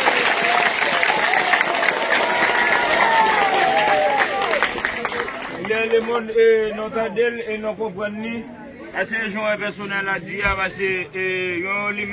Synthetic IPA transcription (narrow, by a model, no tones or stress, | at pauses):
lɛlemɔ̃nenɔ̃t̪adelenɔ̃kɔ̃pɣãnːĩ | ɛseʒɔ̃ɛ̃pɛsonɛad͡ziapaseejolim